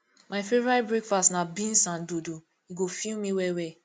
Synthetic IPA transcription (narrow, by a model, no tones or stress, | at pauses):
majfɛvabɹekfastnabĩnsãndudu | iɡofilmiwɛwɛ